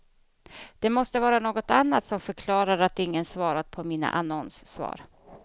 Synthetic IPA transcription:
d̪̥ɛmɔst̪əvɑːɾanoːɡɔt̪anːat̪sɔmfœɾkʰlɑːɾaɾat̪ɪŋːənsvɑːɾat̪̚pʰɔmiːna̰ʔanɔnsːvɑ̰ːɾ

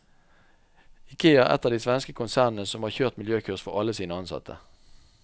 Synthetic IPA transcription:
ɪkʰeːɑʔɛ̰t̪əʁd̪iːsʋɛnskəkʰʊnsæːʁnn̩əsɔmhɑːʁçøːʁt̪mɪljøːkʰʉʁsfɔʁɑləsiːnəɑnsɑ̰t̪ʰə̰

